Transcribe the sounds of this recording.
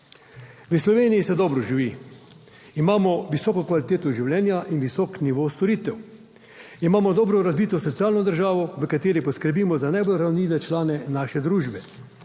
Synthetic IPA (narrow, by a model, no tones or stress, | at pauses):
ʋəslɔʋeːnijisɛd̪ɔːbɾɔʒiʋi | imaːmɔʋisɔːkɔkʋalit̪eːt̪ɔʒiwljɛːnjaʔinʋisɔːkniʋost̪ɔɾiːt̪ɛw | imaːmɔd̪ɔːbɾɔɾazbiːt̪ɔsɔt̪siaːlnɔd̪əɾʒaːʋɔʋəkat̪eːɾipɔskəɾbiːmɔzanajbolɾawnliːʋɛt͡ʃlaːnɛnaːʃɛd̪ɾuːʒbɛ